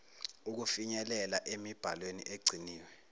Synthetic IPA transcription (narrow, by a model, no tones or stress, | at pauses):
uk̬ufiɲɛlɛlaʔemib̥ʱa̰lwenḭʔeɡ͡ǀʱiniːwɛ